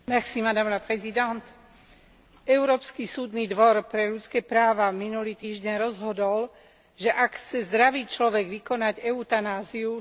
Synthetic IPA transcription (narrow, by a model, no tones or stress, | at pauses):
mɛxsimad̪amlapɾɛzid̪ɛnt̪ | ɛʊɾɔːpskisuːd̪niːd̪ʋɔɾpɾɛʎut͡skɛːpɾaːʋaminuliːt̪iːʒɟɛnɾɔzɦɔd̪ɔl | ʒɛʔakxt͡sɛzd̪ɾaʋiːt͡ʃlɔʋɛɡʋikɔnaɟɛut̪anaːziu